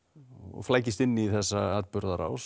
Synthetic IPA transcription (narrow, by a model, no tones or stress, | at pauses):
ɔ̰ɣflaːjcɪst̪ɪnːiθɛsːaaːt̪̚pʏɾðaɾa̰ws